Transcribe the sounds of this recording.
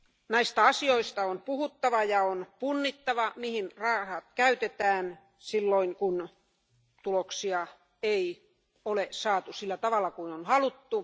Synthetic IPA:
næist̪æɑsioist̪ɑonpuhut̪ːɑʋɑjɑonpunːit̪ːɑʋɑmihinrɑːhɑt̪kæyt̪et̪æːn | silːoiŋkun | t̪uloksiɑ | ei | olesɑːt̪usilːæt̪ɑʋɑlːˑɑkuinonhɑlut̪ːu

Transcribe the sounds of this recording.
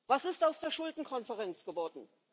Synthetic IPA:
vasɪstaʊsd̥eːɐʃʊldn̩kʰɔnfəʁɛnt͡sɡ̥əvɔɐdn̩

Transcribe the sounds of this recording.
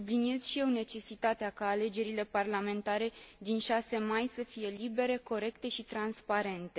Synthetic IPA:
sublinije̞z̥ʃije̞wne̞t͡ʃe̞sit̪at̪eakaːle̞d͡ʒe̞ɾile̞parlame̞nt̪aɾe̞d̪inʃase̞majsəfije̞libe̞ɾe̞ko̞ɾe̞kt̪e̞ʃit̪ɾanspaɾe̞nt̪e̞

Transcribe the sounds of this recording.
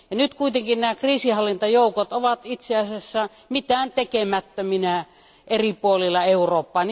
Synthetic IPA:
jɑnyt̪kuit̪eŋkinnæːkriːsihɑlːint̪ɑjoˑukot̪oʋɑt̪it̪seɑˑsesːæ | mit̪æːnt̪ekemæt̪ːøminæ | eripuolilːɑeuroːpːɑːn

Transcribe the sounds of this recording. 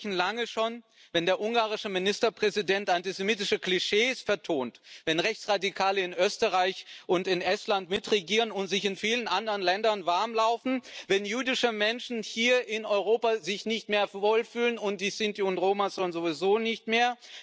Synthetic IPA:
n̩laŋəʃoːn | vɛndeːɐʔʊŋɡaːʁ̞ɪʃəmɪnɪstɐpʁ̥ɛzidɛntʔantizemiːtɪʃəkliʃeːsfɛɐtʰoːntvɛnʁɛçt͡sʁ̥adikʰaːləɪnʔøːstəʁaɪçʔʊntɪnʔɛstlantmɪtʁeɡiːʁənʊntz̥ɪçɪnfiːlənʔandəʁənlɛndɐnvaɐmlaʊfn̩vɛnjyːdɪʃəmɛnʃn̩hiːɐʔɪnɔʏʁoːpazɪçnɪçtmeːɐvoːlfyːlənʊnt̚d̥iːsɪntiʊntʁoːmasɔlnzovizoːnɪçtmeːɐ

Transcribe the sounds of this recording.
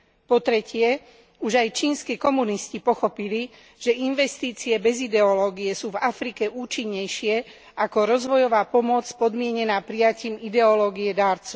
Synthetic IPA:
pɔt̪ɾɛcɪɛ | uʒajt͡ʃiːnskiːkɔmuniscipɔxɔpili | ʒ̥ɛinʋɛst̪iːt͡siɛbɛzid̪ɛɔlɔːɡijɛsuːvafɾikɛʔuːt͡ʃiɲːɛjʃɪɛ | ʔakɔɾɔzʋɔjɔʋaːpɔmʊɔt͡spɔd̪mɪɛɲɛnaːpɾijaciːmid̪ɛɔlɔːɡiɛd̪aːɾt͡suʊ

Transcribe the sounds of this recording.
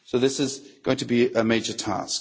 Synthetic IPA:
soʊðɪsɪzɡ̥oʊɪ̃ŋtʰəbiʔəmeɪd͡ʒətʰɑ̰ˑsk

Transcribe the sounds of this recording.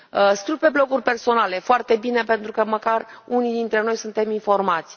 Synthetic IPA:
əskɾiwpe̞blo̞ɡurʲpe̞rso̞nale̞foart̪e̞bine̞pe̞nt̪ɾukəməkarunid̪int̪ɾe̞no̞jsunt̪e̞minfo̞rmat̪sʲ

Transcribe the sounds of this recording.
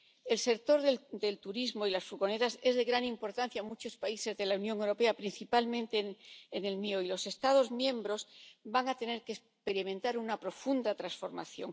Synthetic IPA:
e̞lse̞k̚t̪o̞ɾðed̪e̞lt̪uɾizmoilasfuɣo̞ne̞ɾase̞zðe̞ɣɾanĩmpo̞ɾt̪anθjaːmut͡ʃo̞spaise̞zðe̞launjõ̞ŋewɾo̞pe̞apɾin̟θipalmẽnt̪eːne̞lmioilo̞se̞st̪að̞o̞zmjẽ̞mbɾo̞zbaŋat̪e̞ne̞ɾkes | pe̞ɾimẽ̞nt̪aɾunapɾo̞fund̪at̪ɾansfo̞ɾma̰θjo̞̰ŋ

